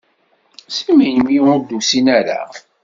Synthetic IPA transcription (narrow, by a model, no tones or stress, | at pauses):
simæjmiʊɾd̪usinæɾa̰